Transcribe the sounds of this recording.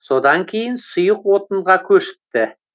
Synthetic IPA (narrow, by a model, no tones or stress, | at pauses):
so̞d̪ɑŋkʲʰejɪnsʊjəqwo̞t̪ə̆ɴʁɑkʲʰɵʃɪ̥p̚t̪ɪ